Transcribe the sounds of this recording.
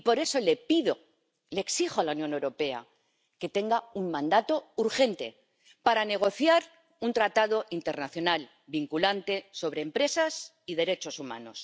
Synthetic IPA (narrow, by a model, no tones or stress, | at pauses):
ipo̞ɾe̞so̞le̞piðo | leːksixoalaunjonewɾo̞pe̞a̰ | ke̞t̪e̞ŋɡauŋmãnd̪at̪o̞uɾxe̞nt̪e̞̰ | paɾane̞ɣ̞o̞θjaɾ | unt̪ɾat̪aðo̞ʔint̪e̞ɾnaθjo̞nal | biŋkulant̪e̞so̞βɾe̞ːmpɾe̞sas | iðe̞ɾe̞t͡ʃo̞sumã̰no̞s